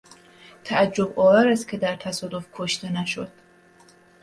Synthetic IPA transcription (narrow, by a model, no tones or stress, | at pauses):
t̪ʰæʔæd͡ʒːobɒːvæɾæst̪kʲʰed̪æɾt̪ʰæsɒːd̪o̞fkʰoʃt̪enæʃod̪̥